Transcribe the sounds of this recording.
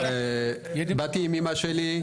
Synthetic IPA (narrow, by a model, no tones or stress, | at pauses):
bat̪imimaʃeli